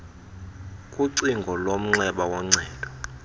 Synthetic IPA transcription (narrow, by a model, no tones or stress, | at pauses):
kʼuǀiŋɡʱɔlom̩ŋ͡ǀɛɓawɔŋ͡ǀɛːd̥ʱʼɔ